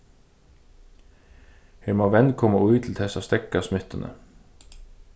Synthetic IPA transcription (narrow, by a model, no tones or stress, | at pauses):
hɛmaʋɛnkʰɔmaujt̪ʰl̩t̪ʰɛsast̪ɛkːasmɪht̪ənə̰